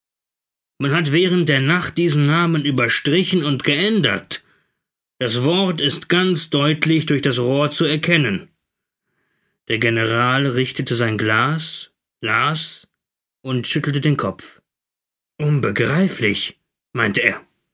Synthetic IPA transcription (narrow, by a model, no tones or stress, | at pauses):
manhatv̥ɛːʁ̞ənt̚d̥eːɐnaχt̚d̥iːzn̩naːmənyːbɐʃtʁ̥ɪçn̩ʊntɡ̥əʔɛndɐ̰t | d̥asv̥ɔɐtɪstɡ̥ant͡sd̥ɔʏtʰlɪçd̥ʊɐçd̥asʁoːɐt͡suɛɐkʰɛnən | d̥eːɐɡenəʁaːlʁɪçtətəzaɪnɡlaːs | laːs | ʔʊntʃʏtl̩tədeːnkʰɔpp͡f | ʔʊnbəɡʁaɪflɪ̰ç | maɪntəeːɐ